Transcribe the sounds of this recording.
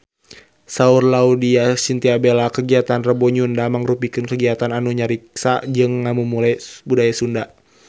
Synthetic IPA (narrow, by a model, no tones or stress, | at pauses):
saurlaudiasint̪iabelakəɡiat̪anrəbɔɲundaməŋɾupikɨnkəɡiat̪ananuɲaɾik̚sad͡ʒɨŋːamumulajbudajasunda